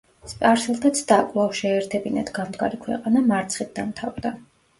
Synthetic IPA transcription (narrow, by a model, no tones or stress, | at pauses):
spʼaɾslˠt̪ʰat̪sʰd̪̥akʼlˠawʃɛːɾt̪ʰɛbinat̪ʰɡamd̪ɡa̰ɾikʰwɛ̰qʼanamaɾt̪sʰχit̪̚d̪amt̪ʰavd̪a